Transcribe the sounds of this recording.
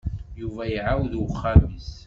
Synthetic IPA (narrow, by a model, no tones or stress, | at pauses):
juvæjiʕawðwχːæmis